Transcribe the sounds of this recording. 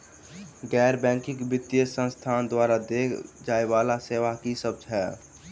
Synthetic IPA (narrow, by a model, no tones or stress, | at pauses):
ɡɛːɾbɛ̃ːŋkɪkbɪt̪ːijəsə̃nst̪ʰaːnd̪waːɾad̪ekd͡ʒaːebaːlaseːʋakisəb̚d͡ʒɦɛː